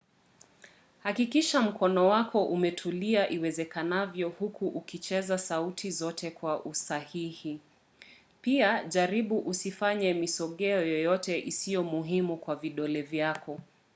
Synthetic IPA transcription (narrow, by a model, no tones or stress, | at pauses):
hakikiʃam̩kʰɔnɔwakʰɔʔumɛtʰuliaʔiwɛzɛkanavjɔhukuʔukit͡ʃɛzasautʰizɔtʰɛkwaʔusahihi | piaʄaɾiɓuʔusifaɲɛmisɔɠɛɔjɔjɔtɛʔisijɔmuɦimukwaviɗɔlɛvjakɔ